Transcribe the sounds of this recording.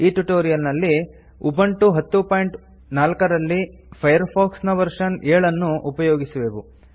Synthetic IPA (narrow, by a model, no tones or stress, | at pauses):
iːʈuʈoːɾijɐlnɐlːi | ubɐɳʈuɦɐt̪ːupaːjɳʈ | naːlkɐɾɐlːi | pʰɐjɐɾpʰoːksnɐʋɐɾʂɐneːɭɐnːuʔupɐjoːɡisuʋeːʋu